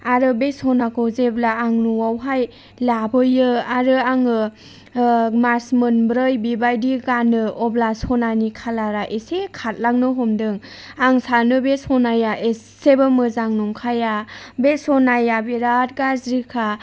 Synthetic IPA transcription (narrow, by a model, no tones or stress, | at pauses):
aɾɯbesɔnakɔzeblaːŋnuwawɦaj | labɯjɯaɾɯaŋɯ | masmɯnbɾɯjbibajdiɡanɯʔɔblasɔnanikʰalaɾaʔesekʰat̚laŋnɯɦɔmdɯŋ | aŋsanɯbesɔnajaʔeː | ebɯmɯzaŋnɔŋkʰajabesɔnajabiɾat̚ɡazɾikʰa